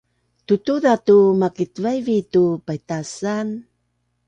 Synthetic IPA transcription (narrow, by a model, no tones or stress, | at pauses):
tutuðatumakitvajvitupajtasan